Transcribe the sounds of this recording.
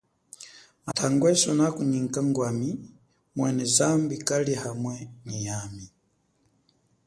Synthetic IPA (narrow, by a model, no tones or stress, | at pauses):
matʰaŋɡwɛsɔnakuɲiŋkaŋɡwami | mwɛnɛzambikalihamwɛɲijami